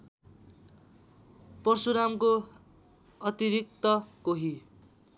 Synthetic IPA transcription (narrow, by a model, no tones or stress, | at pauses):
pʌrsuɾamko | ʌt̪iɾik̚t̪ʌkoɦi